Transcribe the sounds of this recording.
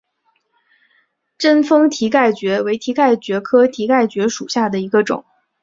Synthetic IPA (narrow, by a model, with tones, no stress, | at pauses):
ʈ͡ʂə˥nfɤ˥ŋt̪ʰi˧˥ka˥˩ɪt͡ɕɥɛ˧˥we˧˥ɪt̪ʰi˧˥ka˥˩ɪt͡ɕɥɛ˧˥kʰɤ˥t̪ʰi˧˥ka˥˩ɪt͡ɕɥɛ˧˥ʂu˨˩ɕja˥˩d̪ə˩i˧˥ɡə˧ʈ͡ʂʊ̰˨˩˦ŋ